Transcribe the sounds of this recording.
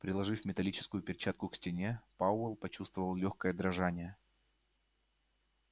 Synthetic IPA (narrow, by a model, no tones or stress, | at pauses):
pɾʲɪlˠɐʐɨfʲmʲɪt̪ɐlʲit͡ɕɪ̥skʊjʊpʲɪrʲt͡ɕat̪̚kʊksʲtʲɪnʲepaʊɛlˠpɐt͡ɕust̪vəvəlˠlʲoxkəjəd̪ɾɐʐanʲɪjə